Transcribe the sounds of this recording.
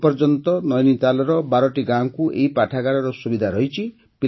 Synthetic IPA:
pɔɾd͡ʒɔnt̪ɔnɔjnit̪alɔɾɔbaɾɔʈiɡãŋkuʔḛɦipaʈʰaɡaɽɔɾɔsubid̪ʱaɾɔɦit͡ʃʰi | pi

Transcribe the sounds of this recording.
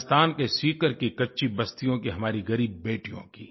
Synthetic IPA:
st̪aːnkesiːkəɾkikɐtːʃʰibɐst̪ijõkiɦɐmaːɾiɣɐɾiːb̚ːeːʈijõ̰kiː

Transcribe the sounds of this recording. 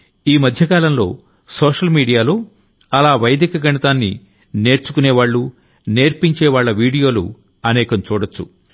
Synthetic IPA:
iːmɐd̪ʱjɐkaːlɐmlo̞ː | soːʂɐlmiːɽijaːlo̞ː | ɐlaːʋɐjɐd̪ikɐɡɐɳɐt̪aːnːḭ | ne̞ːɾt͡ʃukuneːʋaːɭːu | ne̞ːɾpiɲt͡ʃeːʋaːɭːɐʋiːɽijo̞ːlṵ | ɐnɛːkɐmt͡ʃuːɽɐt͡ʃːṵ

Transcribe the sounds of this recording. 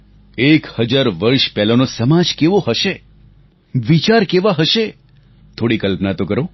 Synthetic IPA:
ekhəd͡ʒaɾʋəɾʃpɛɦlanosəmad͡ʒkeʋoɦəʃe | ʋit͡ʃaɾkeʋaɦəʃe | t̪ʰoɽikəlpnat̪okəɾo

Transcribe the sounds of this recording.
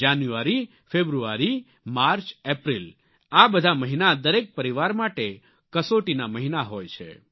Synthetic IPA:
anjuaɾi | febɾuaɾi | maɾt͡ʃepɾil | abəd̪ʱaməɦinad̪əɾek̚pəɾiʋaɾmaʈe | kəsoʈinaməɦinaɦojt͡ʃʰḛ

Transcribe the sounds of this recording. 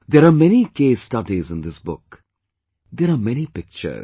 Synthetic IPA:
d̪ɛɾaːmɛnikeːstʌdizɪ̃nd̪ɪsbʊk | d̪ɛɾaːmɛñipɪk̚t͡ʃə̰˞z

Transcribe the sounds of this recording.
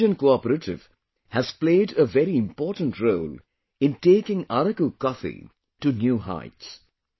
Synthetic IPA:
ə̃nkoɔpəɾəʈʰɪ̰v̥ | hæz̥pleɪɖəʋɛɾiɪ̃mpɔːʈə̃n̩tɾoːl | ɪ̃nʈeːkɪ̃ŋaɾəkukɔfḭ | ʈunjuːɦa̰ɪts

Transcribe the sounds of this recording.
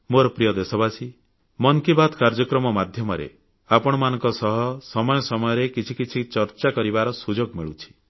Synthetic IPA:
moɾɔpɾijɔd̪esɔbasi | mɔŋkibad̪ʰʱkaɾd͡ʒɔkɾɔmɔmad̪ʱjɔmɔɾḛ | apɔɽ̃ɔmanɔ̃ŋkɔsɔɦɔsɔmɔjɔsɔmɔjɔɾekit͡ʃʰikit͡ʃʰit͡ʃɔɾt͡ʃakɔɾibaɾɔsud͡ʒoɡmiɭut͡ʃʰi̥

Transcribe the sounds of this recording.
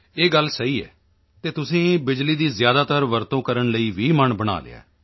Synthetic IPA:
eːɡəlsəiːɛ̰ː | t̪eːt̪ʊsĩːbɪd͡ʒliːd̪iːzjaːd̪aːt̪əɾʋəɾt̪õːkəɾəɳləiːʋiːməɳbəɽ̃a̰ːlḛːa̰ː

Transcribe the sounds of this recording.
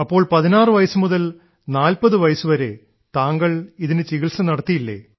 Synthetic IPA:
ɐpːo̞ːɭpɐðinaːrɨʋɐjɐsumuðɐl | naːlpɐðɨʋɐjɐsuʋɐɾe | t̪aːŋɡɐɭiðinɨt͡ɕiɣiɭsɐnɐɽɐt̪ːijilːḛː

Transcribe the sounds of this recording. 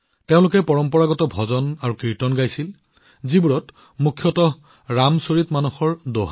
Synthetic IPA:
teʊ̃lʊkɛpɔɹɔmpɔɹaɡɔtɔbʱɔzɔnaɹukiɹtɔnɡajsil | zibuɹɔt | mukʰjɔtɔ | ɹamsoɹitmanuxɔɹdoɦa

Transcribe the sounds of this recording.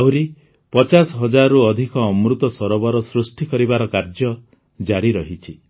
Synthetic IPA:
awɾi | pɔt͡ʃasɔɦɔd͡ʒaɾuɔd̪ʱikɔːmɾut̪ɔsɔɾɔbɔɾɔsɾusʈikɔɾibaɾɔkaɾd͡ʒɔ | d͡ʒaɾiɾɔɦit͡ʃʰi

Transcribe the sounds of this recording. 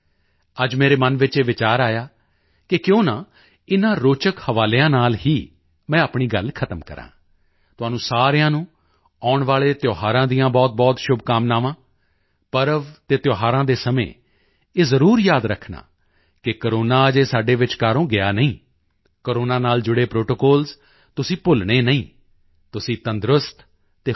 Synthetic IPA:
əd͡ʒmeːɾeːmənʋɪt͡ʃeːʋɪt͡ʃaːɾaːjaː | kɪkjõːnãː | ɪnãːɾoːt͡ʃəkhəʋaːljãːnaːlhiː | mɛ̃ːəpɳiːɡəlkʰət̪əmkə̰ɾã̰ː | t̪ʊaːnũːsaːɾejãːnũː | aːʊɳʋaːleːt̪joːɦaːɾãːd̪ijãːbɔːt̪̚bɔːt̪ʃʊbkaːmnaːʋãː | pəɾəʋt̪eːt̪joːɦaːɾãːd̪eːsəmḛ̃ː | eːzəɾuːɾjaːd̪ɾəkʰna̰ː | kɪkəɾoːnaːəd͡ʒeːsaːɖeːʋɪt͡ʃkaːɾõːɡɪaːnəĩː | kəɾoːnaːnaːld͡ʒʊɽeːpɾoːʈoːkɔːlz | t̪ʊsĩːpʊlɳeːnəĩː | t̪ʊsĩːt̪ənd̪ɾʊst̪ | t̪eː

